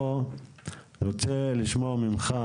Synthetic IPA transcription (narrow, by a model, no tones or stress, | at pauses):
o | ʁot͡seliʃmomimχa